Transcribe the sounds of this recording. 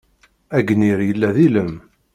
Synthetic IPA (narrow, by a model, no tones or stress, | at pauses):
æɡniɾjəlːæðiləm